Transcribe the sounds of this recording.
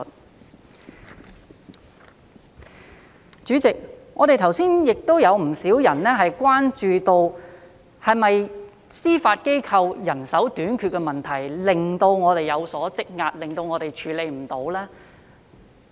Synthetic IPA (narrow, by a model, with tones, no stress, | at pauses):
t͡ʃyː˨˥t͡sɪ˨k̚ŋɔː˨˧ɾe˨jt̪ʰɐ˨˩wsiː˥njɪ˨k̚t̪o˥wjɐ˨˧wm̩˨˩siː˨˥wjɐ˨˩nlɛː˥ɦɐ˨jkʷwaː˥nt͡ʃyː˨t̪o˧w | hɐ˨jmɐ˨j | siː˥faː˧t̚ke˥jkʰɐ˧wjɐ˨˩nsɐ˨˥wt̪yː˨˥nkʰy˧t̚kɛ˧mɐ˨˩nt̪ʰɐ˨˩jlɪ˨ŋt̪o˧wŋɔː˨˧t̪e˨jɐ˨˧wsɔː˨˥t͡sɪ˥k̚ŋaː˧t̚lɪ˨ŋt̪o˧wŋɔː˨˧t̪e˨jt͡ʃʰyː˨˥le˨˧jm̩˨˩t̪o˨˥wlɛː˥